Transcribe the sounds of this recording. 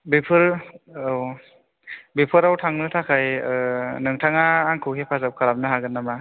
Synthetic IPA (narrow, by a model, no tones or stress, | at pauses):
bepʰɯɾ | w | bepʰɯɾawtʰaŋnɯtʰakʰaj | nɯŋtʰaŋaːŋkʰɯwkʰepʰazap̚kʰaɾam̚nɯɦaɡɯnːama